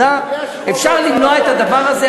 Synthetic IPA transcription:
a | efʃaʁlimnoaet̪had̪avaʁaze

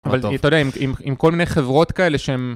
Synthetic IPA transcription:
avaltodeaimimimko̞lminejχevʁo̞t̪kae̞le̞ʃeem

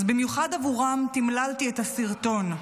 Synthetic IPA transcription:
zbimjuχadavuʁamt̪imlaltiethasiʁt̪o̞n

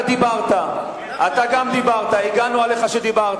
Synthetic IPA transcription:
d̪ibaʁt̪a | ʔat̪aɡamd̪ibaʁt̪aiɡanuale̞χaʃed̪ibaʁ

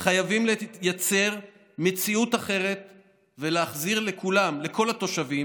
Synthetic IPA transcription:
χajavimlejat͡se̞ʁ | me̞t͡siut̪aχe̞ʁe̞t̪ | ve̞leaχziʁle̞kʰulamle̞kʰo̞lat̪o̞ʃavim

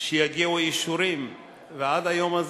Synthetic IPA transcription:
ʃejaɡiuajiʃuɾim | vead̪ajomaz

